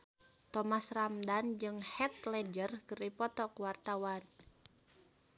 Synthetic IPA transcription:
t̪ɔmasramdand͡ʒɨŋhɛt̪̚lɛd͡ʒərkɨripɔt̪ɔkuwart̪awan

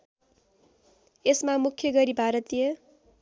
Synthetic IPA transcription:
esmamukʰjʌɡʌɾibʱaɾʌt̪ijʌ

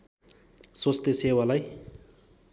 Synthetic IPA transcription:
swost̪esewalaj

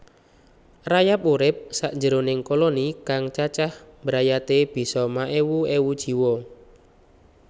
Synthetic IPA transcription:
rajap̚uɾɪp̚saʔɲd͡ʒəɾonɪŋkolonikaŋt͡ʃat͡ʃahmbəɾajat̪eb̥i̤sɔmaʔewuewud̥ʒ̥i̤wɔ

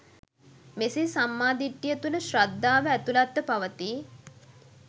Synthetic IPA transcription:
mesesamːaːd̪iʈːijət̪unəʃɾad̪ːaːʋəæt̪ulat̪ːəpaʋət̪iː

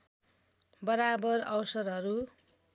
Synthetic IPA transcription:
bʌɾabʌrʌwsʌɾɦʌɾu

